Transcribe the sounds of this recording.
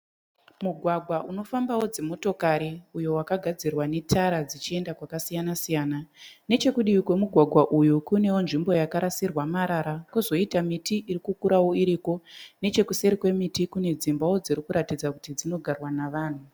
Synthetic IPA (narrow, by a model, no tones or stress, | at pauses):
muɡʱwaɡʱwaʔuno̞fambawo̞d͡zemo̞to̞kaɾeujo̞wakaɡʱad͡zirwane̞tʰaɾad͡zit͡ʃie̞ndakwakasijanasijaːnane̞t͡ʃe̞kuɗijikwe̞muɡʱwaɡʱwaʔujukune̞wonʐimbo̞jakaɾasirwamaɾaɾakuzo̞itamitiʔiɾikukuɾawo̞iɾiko̞ne̞t͡ʃe̞kuse̞ɾikwe̞mitikune̞d͡zimbawo̞d͡ziɾikuɾatid͡zakutid͡zino̞ɡʱarwanaʋaːn̤u